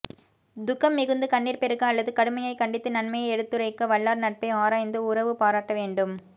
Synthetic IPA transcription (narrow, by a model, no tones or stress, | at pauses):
d̪ʊkːɐmːɪɣɯnd̪ɯkɐɳːiːɾpɛɾɯkːɐ̃ɐlːɐðɯkɐɽɯmɐjɐɪkɐɳɖɪt̪ːɯnɐnmɐjɐɛɽɯt̪ːɯɾɐɪkːɐʋɐɭːaːɾnɐʈ̚pɐɪaːɾaːjnd̪ɯʊɾɐʋɯpaːɾaːʈːɐʋeːɳɖɯm